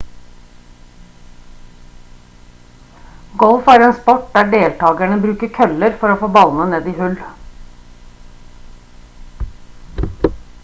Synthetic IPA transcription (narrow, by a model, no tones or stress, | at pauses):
ɡɔlfæːɾeːnspɔʈ̚d̪æːɖeːlt̪ʰɑːɡæɳəbɾʉːkəkʰœləɾfɔɾoːfɔbɑlnəneːd̪iːhʉl